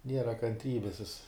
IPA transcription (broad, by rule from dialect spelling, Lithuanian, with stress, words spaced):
ˈnʲiɛrɐ kɐnʲˈtʲrʲiːbʲɪs jɪs